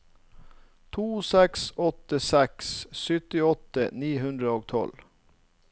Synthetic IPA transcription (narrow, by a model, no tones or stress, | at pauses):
t̪ʰuːsɛksɔt̪əsɛkssʏt̪ɪɔt̪əniːhʉnd̪ɾəoːɡ̚t̪ʰɔ̰l